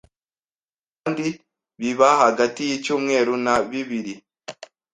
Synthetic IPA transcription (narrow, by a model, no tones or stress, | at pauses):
kandi | βiβahaɡatijicuːmŋe̞ːɾunaβiβiɾi